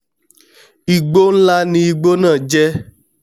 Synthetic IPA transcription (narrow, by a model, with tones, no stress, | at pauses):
i˨ɡ͡bo˦n̩˦la˦nĩ˧i˧ɡ͡bo˦nã˦˨d͡ʒɛ˦